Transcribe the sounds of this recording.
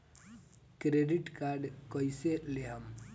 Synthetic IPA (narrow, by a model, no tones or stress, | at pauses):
kɾeɖiʈkaɾɖkɔjseleɦam